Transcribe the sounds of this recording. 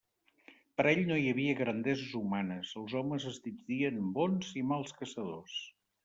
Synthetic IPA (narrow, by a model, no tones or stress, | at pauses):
pəɾɛʎnojəβiəɣɾənd̪ɛzəzumanəsəlˠzɔməzəzd̪id͡ʒðiənbonzimalˠskəsəðos